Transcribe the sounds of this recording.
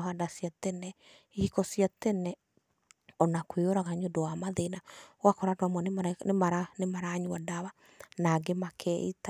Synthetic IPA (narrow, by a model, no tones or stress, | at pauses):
ɦadasiatɛnɛ | ihikɔsiatɛnɛ | ɔnakweoɾaɣaɲodɔwamaðenawakɔɾadoamɔnnmaɾanemaɾaɲwadaβa | naɡemakʰɛḭta